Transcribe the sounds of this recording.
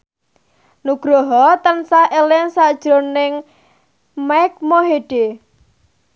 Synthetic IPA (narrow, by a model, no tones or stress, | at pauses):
nuɡ̥ɾɔɦɔt̪ənsahʔelɪŋsad̥ʒ̥ɾonɪŋ | majk̚moɦeɖ̥e